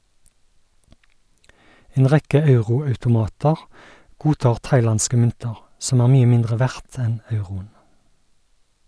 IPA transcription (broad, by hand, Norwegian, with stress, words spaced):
ˈeːn ˈʁɛkə ˈɑʉʁʊɑʉtʊˌmɑːtəʁ ˈɡuːˌtɑːʁ ˈtɑɪˌlɑnskə ˈmʏntəʁ ˈsɔm ˈæːʁ ˈmyːə ˈmɪndʁə ˈʋæʁt ˈɛn ˈɑʉʁʊən